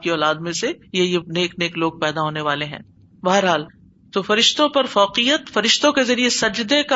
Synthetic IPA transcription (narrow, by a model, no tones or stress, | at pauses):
kiɔːlaːd̪mẽsejejeneːkneːkloːɡ̚pɛːd̪aɦoːneʋaːleɦɛ̰̃ː | bɐɦəɾɦaːl | t̪ofɐɾɪʃt̪õpɐɾfɔːqijət̪fɐɾɪʃt̪õkezɐɾiesɐd͡ʒd̪eka